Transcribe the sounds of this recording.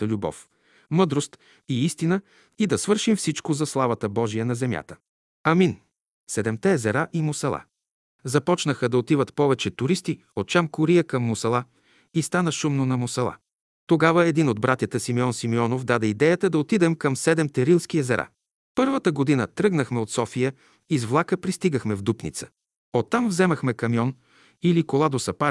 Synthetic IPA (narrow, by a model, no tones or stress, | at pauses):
t̪əlʲubɔ̰f | mɤd̪ɾost̪ | iist̪inə | id̪ɐsvɤɾʃimfsit͡ʃkozɐslˠavɐt̪əbɔʒiənɐzɛmʲja̰t̪ə̥ | ɐmin | sɛd̪ɛmt̪ɛɛzɛɾaʔimʊsɐlˠa̰ | zɐpɔt͡ʃnəxəd̪ɐot̪ivət̪pɔvɛt͡ʃɛt̪ʊɾist̪i | ot̪̚t͡ʃamkʊɾijəkɐmːʊsɐlˠa | ist̪anəʃumnonɐmʊsɐlˠa̰ | t̪oɡavəɛd̪inod̪̚bɾat̪jət̪əsimiɔnsimiɔnovd̪ad̪ɛid̪ɛjət̪əd̪ɐot̪id̪ɛmkɐmsɛd̪ɛmt̪ɛɾilˠsk̟iɛzɛɾʔa̰ | pɤɾvət̪əɡod̪inət̪ɾɤɡnəxmɛot̪sɔfijə | izvlˠakəpɾist̪iɡəxmɛvd̪upnḭt̪sə̥ | ot̪ːamvzɛmɐxmɛkɐmjɔn | ilikolˠad̪osɐpa